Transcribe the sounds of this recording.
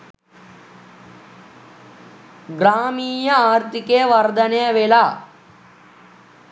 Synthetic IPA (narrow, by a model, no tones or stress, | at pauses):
ɡɾaːmiːjɐaːɾt̪ikeːʋɐɾd̪ɐnejɐʋelaː